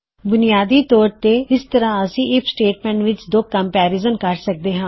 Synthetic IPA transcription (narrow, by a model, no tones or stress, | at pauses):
bʊnɪjaːd̪iːt̪ɔːɾt̪eːɪst̪əɾãːəsĩːʔɪpʰsʈeːʈmɛ̃ːɳʈʋɪt͡ʃd̪oːkːəmpɛːɾɪzəmkəɾsək̚d̪eːɦãː